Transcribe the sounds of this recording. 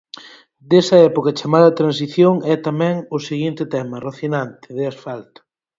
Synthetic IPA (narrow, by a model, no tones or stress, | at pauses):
d̪ɛsɐɛpokɐt͡ʃamaðɐt̪ɾãnsiθjoŋɛt̪amɛ̃ŋʊseɣint̪ɪt̪ɛmɐroθinant̪ɪðɪasfalt̪ʊ̥